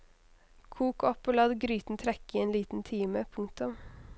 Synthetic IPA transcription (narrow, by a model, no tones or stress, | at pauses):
kʰuːkɔpoːlɑd̪ɡɾyːt̪n̩t̪ʰɾɛkɪeːnliːt̪n̩t̪ʰiːməpʰʊŋk̚t̪ʊm